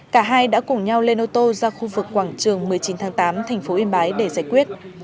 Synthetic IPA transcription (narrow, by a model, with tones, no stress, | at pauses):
kaː˧˩ɦaː˧jɗa̰ː˧˥kʊ˨˧˩ŋ͡mɲa˧wle˧nʔo˧t̪o˧zaː˧xu˧vɨ˨˩kːwaː˧˩ŋt͡ɕɨ˨˩əŋmɨ˨˩əjt͡ɕi˨˦nt̪ʰaː˨˦ŋt̪aː˨˦mt̪ʰɛ˨˩jŋ̟fo˨˦ʔi˧nɓaː˨˦jɗe˧˩zaː˧˩jkwi˦˥ət̚